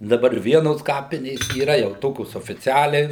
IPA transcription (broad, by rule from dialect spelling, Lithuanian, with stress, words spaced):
dɐˈbɐr ˈʋʲiɛnoːs ˈkɑːpʲɪnʲeːs iːˈrɐ jɛʊ ˈtoːkʲoːs oːfʲɪˈt͡sʲæːlʲɛɪ